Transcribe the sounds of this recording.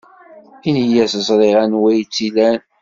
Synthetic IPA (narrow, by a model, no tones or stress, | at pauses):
injæsəzˤɾˤiʁænwæjt͡sːilæn